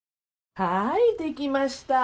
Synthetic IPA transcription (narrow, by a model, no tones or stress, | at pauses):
hajt̪ekʲimaɕt̪a